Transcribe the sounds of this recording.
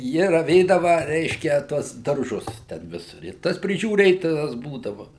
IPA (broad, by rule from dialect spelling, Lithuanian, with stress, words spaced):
ˈjɪ rɐˈʋʲeːdɐʋɐ ˈrʲɛɪʃʲkʲɛ ˈtuɔs dɐrˈʒʊs tʲɛn ˈʋʲɪs ɪ ˈtɐs pʲrʲɪʒʲuːˈrʲeːtoːjɛs ˈbuːdɐʋɐ